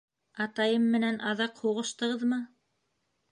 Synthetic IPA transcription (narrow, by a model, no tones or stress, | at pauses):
ɑt̪ɑjɤmːɘ̆nænʔɑðɑqhuʁɤ̆ʃt̪ɤ̆ʁɤðmɤ